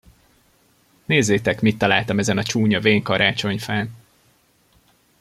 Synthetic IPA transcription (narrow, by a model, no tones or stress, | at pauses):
neːzːeːt̪ɛkmit̪ːɒlaːlt̪ɒmɛzɛnɒt͡ʃuːɲɒveːŋkɒɾʔaːt͡ʃo̞ɲfɛl